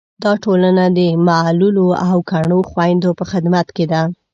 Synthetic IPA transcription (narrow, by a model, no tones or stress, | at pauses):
d̪ɑʈolanad̪əmaluloawkaɳ̃oxwajnd̪opəxɪd̪mat̪ked̪a